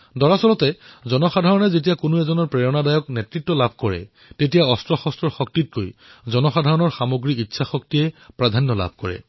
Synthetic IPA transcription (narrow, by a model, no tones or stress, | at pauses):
dɔɹasɔlɔtɛzɔnɔxadʱaɹɔnɛzetijakʊnuɛzɔnɔɹpɹɛɹɔnadajɔk̚nɛtɹitːɔlabʱkɔɹɛ̰ | tetijaɔstɹɔxɔstɹɔɹxɔk̚tit̚kojzɔnɔxadʱaɹɔnɔɹxamoɡɹikitːsʰaxɔktijɛpɹadʱanːɔla̰bʱkɔɹɛ̰